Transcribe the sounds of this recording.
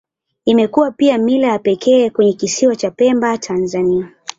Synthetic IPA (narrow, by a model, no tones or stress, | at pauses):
imɛkuwapiamilajapɛkʰɛːkwɛɲɛkisiwat͡ʃapɛmbatʰanzania